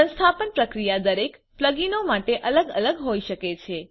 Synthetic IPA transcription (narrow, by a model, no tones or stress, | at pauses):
ə̃nst̪ʰapənpɾəkɾijad̪əɾek | pləɡinomaʈeʔələɡələɡɦoiʃəket͡ʃʰe